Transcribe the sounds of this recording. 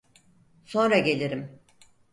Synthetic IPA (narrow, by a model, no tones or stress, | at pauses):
so̞nɾaɟe̞lʲiɾim